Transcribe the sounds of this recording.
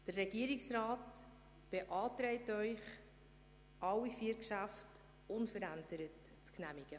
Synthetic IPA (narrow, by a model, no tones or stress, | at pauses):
d̥ərːɛɡ̥iəɾɪksrɑːt | b̥eʔɑːtɾɛɪtœʏχ | ʔɑwifiəɾkʃæft | ʊnfəɾændəɾət | t͡sknæmɪɡ̥ə